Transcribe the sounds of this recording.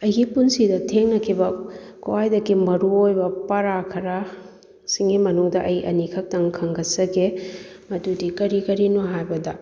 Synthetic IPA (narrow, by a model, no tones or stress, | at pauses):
ɐjɡipunsidɐtʰeŋnɐkʰibɐkuwajdɐkimɐɾuojbɐpɐɾakʰɐɾa | siŋɡimɐnuŋdɐʔɐjʔɐ̰nikʰɐk̚tɐŋkʰɐŋɡɐsɐɡe | mɐtudikɐɾikɐɾinoɦajbɐdɐ